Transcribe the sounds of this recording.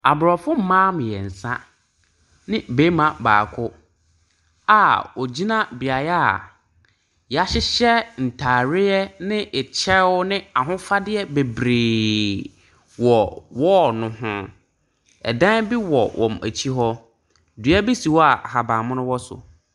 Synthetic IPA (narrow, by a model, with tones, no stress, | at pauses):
a˨bʊ˨ɾɔ˨fʊ˦m̩˦mãː˦m̃˨jɛ˨n̩˨sã˦ | nɪ̃˦beː˦mã˨ba̰ː˨kʰʊ˦ | a˨wɔ˨d͡ʑi˦nã˦bi˨a˨jɛ˦a̰˨ | ja˦ɕɪ˦ɕɛ˦n̩˨tʰaː˨ɾɪ˦jɛ˦nɪ̃˦ʔɪ˨t͡ɕʰɛ˦wʊ˦nɪ̃˦a˨ɦʊ̃˦fa˦dɪ˦ɛ˦be˨bɾeː˨ | wɔ˨wɔ˦nʊ̃˨hʊ̃˦ | ɛ̰˨dã˦bi˦wɔ˨wʔɔ̰̃˨mæ̰˨t͡ɕʰi˦ɦɔ˦ | du˨˦a˦bi˦si˨wɔ˦a˨ha˨bãː˨mʊ̃˦nʊ̃˦wɔ˦sʊ̰˨